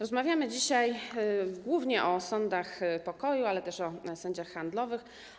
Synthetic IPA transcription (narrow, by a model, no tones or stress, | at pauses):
ɾɔzmavʲjamɘd͡ʑiɕajɡwuvɲɛʔɔsɔnd̪axpɔkɔjualɛt̪ɛʂɔsɔɲd͡ʑaxːand̪lɔvɘx